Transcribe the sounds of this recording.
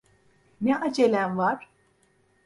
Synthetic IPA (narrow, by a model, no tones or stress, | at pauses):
neʔad͡ʒelʲænvaɾ̥